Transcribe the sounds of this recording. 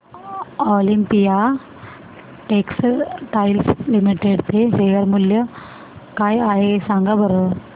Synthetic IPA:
oːlimpija | ʈeːksʈajlslimiʈeɽt̪eɦejɐɾmuljɐ | kaːjaːjesaŋɡabɐɾə

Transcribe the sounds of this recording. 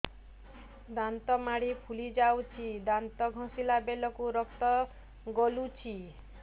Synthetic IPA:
d̪ant̪ɔmaɽ̤ipʰulid͡ʒawt͡ʃʰid̪ant̪ɔɡʱɔ̃silabelɔkuɾɔkt̪ɔ | ɡɔlut͡ʃʰi

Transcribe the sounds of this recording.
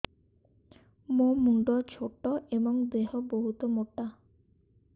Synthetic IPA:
momuɳɖɔɾt͡ɕʰoʈːoʔebɔŋd̪eɦoboɦut̪omoʈːa

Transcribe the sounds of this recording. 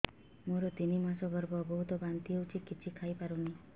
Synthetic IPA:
moɾɔt̪inimasɔɡʱɔɾbɔbɔɦut̪ɔbant̪iɦewt͡ʃʰikit͡ʃʰikʰajpaɾuni

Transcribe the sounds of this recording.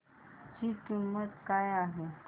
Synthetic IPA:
hikimmət̪kajaɦe

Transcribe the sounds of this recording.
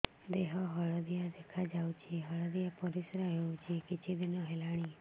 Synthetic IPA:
d̪eɦɔɦɔɭɔd̪ijad̪ekʰad͡ʒawt͡ʃʰeɦəɭɔd̪ijapɔɾisɾaɦewt͡ʃʰiekit͡ʃʰid̪inɔɦelaɽ̃i

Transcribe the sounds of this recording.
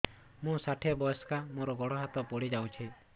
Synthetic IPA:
mũsaʈʰebɔjɔskamoɾɔɡɔɽɔɦat̪ɔpɔɽid͡ʒaũt͡ʃʰi

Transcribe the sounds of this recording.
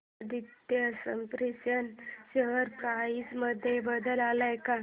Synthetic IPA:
d̪it̪jəsə̰mpɾisənɕəɦəɾpɾait͡sməd̪ʱjebəd̪əlalajka

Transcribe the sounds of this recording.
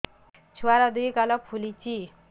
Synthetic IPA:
t͡sʰuwaɾʌd̪ujkalʌpʰulit͡si

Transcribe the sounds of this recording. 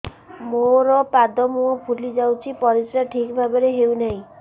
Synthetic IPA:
moɾɔpad̪ɔmuopʰulid͡ʒawt͡ʃʰipɔɾisɾaʈʰikbʱabɔɾeɦewnaɦĩ

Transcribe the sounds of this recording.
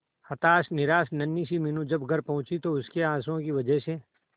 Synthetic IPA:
hɐt̪aːsnɪɾaːsnɐnːiːsimɪnũd͡ʒɐbɡʱɐɾpɐ̃ɦʊ̃t͡ʃit̪oʊskeãːsõkiʋɐd͡ʒɛɦse

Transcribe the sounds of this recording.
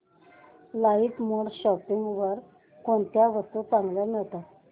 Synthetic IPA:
lait̪muɽɕɔpiŋɡʋəɾ | koɳt̪jaʋəst̪ut͡saŋɡləmiɭt̪a

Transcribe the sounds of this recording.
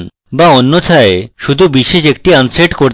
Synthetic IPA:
n | baonːot͡ɕʰaeʃud̪ʱubiʃeʃek̚ʈianseʈkoɾ

